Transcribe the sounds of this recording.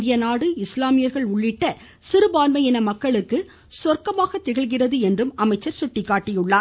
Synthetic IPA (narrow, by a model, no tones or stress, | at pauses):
d̪ɪjɐnaːɽɯɪslaːmɪjɐɾɣɐɭʊɭːɪʈːɐ | sɪɾɯbaːnmɐjɪnɐmɐkːɐɭɯkːɯ | sɔrkɐmaːɣɐt̪ːɪɣɐɭɣɪrɐðɯɛndrɯmɐmɐɪt͡ʃːɐɾsʊʈːɪkːaːʈːɪjʊɭːaː